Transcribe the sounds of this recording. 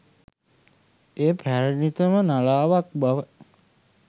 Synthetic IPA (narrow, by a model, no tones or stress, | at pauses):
eːpʰæɾənit̪əmənalaːʋak̚baʋə